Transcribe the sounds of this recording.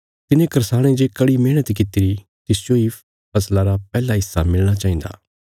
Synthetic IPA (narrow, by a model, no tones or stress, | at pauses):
t̪ɪnẽkɐɾsaːɽ̃ẽd͡ʒekɐɽimẽːɽ̃ət̪kɪt̪ɪɾi | t̪ɪsd͡ʒoi | pɐslaɾapɛːlaɦɪsːamɪlɽ̃at͡ʃaːɦĩːnd̪a̰ː